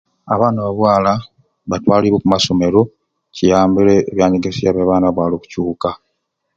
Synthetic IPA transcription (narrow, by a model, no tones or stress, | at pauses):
aβaːnaβaβwaːla | βatwaːliɾokumaso̞me̞ɾo̞ | cijaːmbileːβjaːɲeɡesijaβaβaːnaβwaːloku̥cuːka